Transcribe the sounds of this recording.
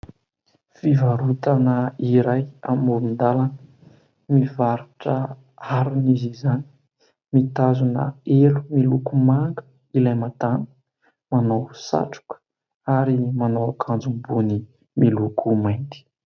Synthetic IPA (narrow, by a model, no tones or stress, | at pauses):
fivaɾut̪anəiɾajamumind̪alanə | mivaɾuʈ͡ʂə | aɾunizizani̥ | mit̪azunə̰elumilukumaŋɡə̥ | ilajmat̪anə̥ | manawsa̰ʈ͡ʂu̥kə̥ | aɾimanowakʰand͡zumbuni | milukʰumajnt̪i̥